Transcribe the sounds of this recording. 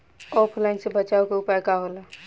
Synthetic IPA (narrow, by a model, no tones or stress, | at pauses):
ɔpʰlaɪnsẽbət͡ʃaukeupajkaɦola